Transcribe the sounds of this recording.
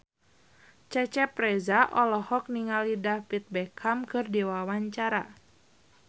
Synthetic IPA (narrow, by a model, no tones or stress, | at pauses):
t͡ʃɛt͡ʃɛpɾɛzaʔɔlɔhɔk̚niŋalidafit̪̚bɛkʰamkɨrdiwawaɲt͡ʃaɾa